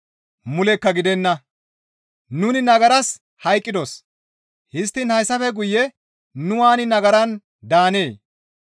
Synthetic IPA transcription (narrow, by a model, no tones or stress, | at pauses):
mʊlɛkːɐɡɪd̪ɛnːɐ | nʊnɪnɐɡɐɾɐs | hɐjkʼːɪd̪os | hɪst̪ːɪnhɐjsːɐfɛɡʊjːɛ | nʊwaːnɪnɐɡɐɾɐn | d̪aːne̞ː